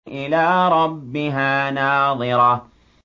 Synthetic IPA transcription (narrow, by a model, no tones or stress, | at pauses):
ʔɪlaːɾˤɑbːɪɦaːnaːðˤɨɾɑː